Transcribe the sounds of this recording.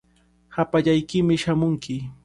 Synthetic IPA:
hapaʎajkɪmɪʃamʊŋkʰɪ

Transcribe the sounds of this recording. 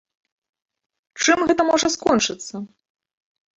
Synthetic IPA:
t͡ʂɨmɣɛt̪ɐmɔʐɐskɔnt͡ʂɨt̪sːɐ

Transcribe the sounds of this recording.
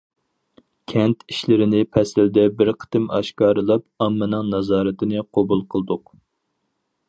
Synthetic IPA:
kʲʰɛnt̪ʰiʃlɪɾɪnɪpʰɛsɪld̪ɛbɪɾqʰə̥t̪ɪmɑ̰ʃkɑːɾɨlˠɑp̚ɑmːɨnɨŋnɑzɑːɾɨt̪ʰɪnɨqʰobulˠqʰəlˠd̪ʊq

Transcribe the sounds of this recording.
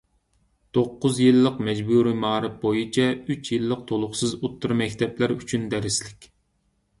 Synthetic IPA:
t̪ʰoqːʊzjilˠːəqmɛd͡ʒbuɾimɑːɾɨp̚bojit͡ʃʰɛyt͡ʃʰjilˠːəq̚t̪ʰolˠʊχsɨzut̪ʰːuɾmɛkʲt̪ʰɛplæɾyt͡ʃʰynd̪ɛɾɪslɪkʲ

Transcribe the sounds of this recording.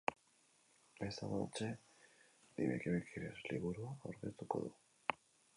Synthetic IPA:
esaβat͡ʃe | dḭβekeβekʰiɾesliβuɾuaoɾɣest̪uko̞̰ðṵ

